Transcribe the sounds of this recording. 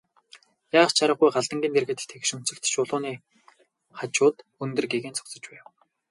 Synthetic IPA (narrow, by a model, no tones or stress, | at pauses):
jaːst͡ɕʰaɾə̆χujɢaɮt̪ə̆ŋɡʲiːnt̪erɣɘ̆t̪ɘ̆t̪ʰekʃɵ̆m̥t͡sɘ̆kt̪ʃʊːɮʊːniː | χat͡ɕʊːt̪ɵnt̪ɵ̆rɡeɣeːnt͡sʰʊ̥kt͡sə̆t͡ɕpæːw